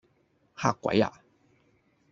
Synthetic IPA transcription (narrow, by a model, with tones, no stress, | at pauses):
ha˥˨kwa̰˨˦ja̰˨